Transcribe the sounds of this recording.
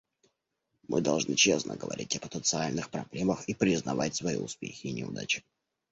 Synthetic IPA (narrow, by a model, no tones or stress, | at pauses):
mʔɨd̪ɐlˠʐnɨt͡ɕesnʔə̰ɡəvɐ̰ɾʲitʲɐpət̪ənt̪sɨalʲnɨxpɾɐblʲe̞məxipɾʲɪznɐvatʲsvɐḭʊspʲexʲɪːnʲɪʊ̰d̪at͡ɕɪ̥